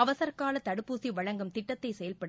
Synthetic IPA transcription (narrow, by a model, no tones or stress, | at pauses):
ɐʋɐsɐɾkaːlɐt̪ːɐɽɯpːuːsiʋɐɻɐŋɡɐmt̪ɪʈːɐt̪ːɐɪsɛjɐlpɐɽ